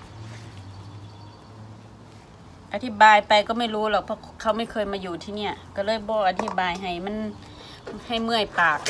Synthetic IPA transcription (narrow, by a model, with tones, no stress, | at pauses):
ʔa˧t̪ʰi˧˥˩baː˨jpa˨jkɔː˧˩ma˥˩jɾuː˧˥lɔː˨˩k̚pʰɔː˧˥kʰa˧˩wma˧˥˩jkʰɤː˧˨jmaː˧juː˨˩t̪ʰiː˧ni˧˩ɐka˧˩lɤː˧˥˨jbɔː˧ʔa˧t̪ʰi˧˩baː˨˩jɦa˨˩jma˧˥˨n | ha˧˨˩jmɯ˧˩əjpaː˨˩k̚